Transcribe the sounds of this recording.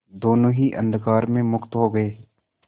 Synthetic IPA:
d̪oːnõɦiʔɐ̰̃nd̪kaːɾmẽmʊkt̪ɦoɡɐeː

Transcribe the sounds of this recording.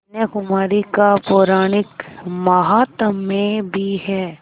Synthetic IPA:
njəkʊmaːɾikapoːɾaːɽ̃ɪkmɐɦaːt̪mːẽbʱiɦɛː

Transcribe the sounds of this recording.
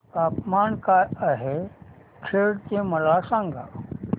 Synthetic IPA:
kaːpmaːnkaəɦe | kʰeːɽt̪ẽməlasãːŋɡʱa

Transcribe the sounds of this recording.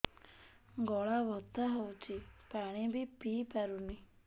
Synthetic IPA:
ɡɔɭaʋɔt̪ːaɦɔwt͡ʃipaɽ̃ibipiːpaɾuni

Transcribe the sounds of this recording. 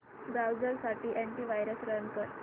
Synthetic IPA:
bɾawd͡zəɾsaʈiːʔeɳʈiːʋajɾəsɾənkəɾ

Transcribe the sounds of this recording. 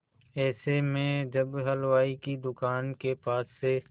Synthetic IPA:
ɛːsemẽd͡ʒɐbɦəlʋaːikid̪ʊkaːnkepaːsːe

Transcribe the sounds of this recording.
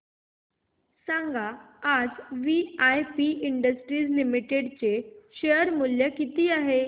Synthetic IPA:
sãŋɡʱaad͡zʋiajpiʔiɳɖəsʈɾiːd͡zlimiʈeɽt͡ɕeɕeəɾmuljəkit̪iːaɦe

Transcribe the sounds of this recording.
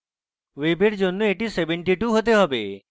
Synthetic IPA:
webeɾd͡ʒonːueʈisebeɳʈiʈuɦot̪̬eɦɔbe

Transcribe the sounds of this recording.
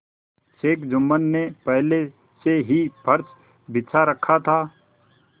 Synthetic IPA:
ʃeːkd͡ʒʊmːənːepɛɦle | seɦipʰəɾt͡ʃ | bɪːt͡ʃʰaɾəkʰːat̪ʰaː

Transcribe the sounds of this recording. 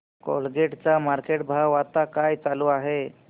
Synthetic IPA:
kɔ̰lɡeʈt͡samaɾkeʈ̚bʱaʋat̪akajt͡saluːaɦe

